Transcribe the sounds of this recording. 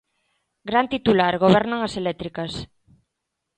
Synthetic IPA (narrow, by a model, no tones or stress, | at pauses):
ɡɾant̪it̪ulaɾɣoβɛɾnaŋaselɛt̪ɾikas